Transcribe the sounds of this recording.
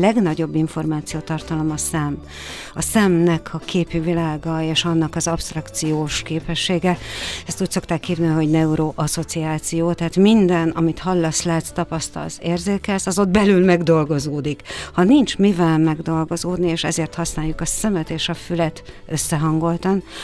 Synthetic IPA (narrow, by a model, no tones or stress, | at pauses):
lɛɡnɒɟo̞bːiɱfo̞rmaːt̪sijoːt̪ɒrt̪ɒlo̞mɒsɛm | ɒsɛmnɛkʰɒkʰeːpyvilaːɡɒeːʃɒnːɒkɒzɒpst̪rɒkt̪sijoːʃkeːpɛʃːeːɡɛɛst̪uːcso̞kt̪aːkhiːvninɦo̞ɟnɛuɾoʔɒso̞t̪siaːt̪sijoːt̪ɛɦaːt̪mind̪ɛnɒmit̪hɒlːɒslaːt̪st̪ɒpɒst̪ɒ̰lzeːrzeːkɛlsɒzo̞d̪bɛlylmɛɡd̪o̞lɡo̞zoːd̪ikhɒnint͡ʃmivɛlmɛɡd̪o̞lɡo̞zoːd̪nieːʃɛzeːrt̪hɒsnaːjukɒsɛmɛt̪eːʃɒfylɛt̪ | ø̞sːɛɦɒŋɡo̞lt̪ɒn